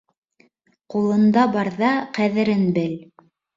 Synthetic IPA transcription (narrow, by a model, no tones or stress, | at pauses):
qulˠɤ̆nd̪ɑbɑɾðɑqæðɘ̆ɾɘnbɘl